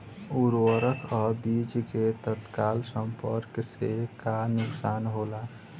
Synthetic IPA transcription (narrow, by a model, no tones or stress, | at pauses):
uɾwəɾəkʰəbit͡ʃket̪ət̪kalsəmpəɾksekanuksanɦola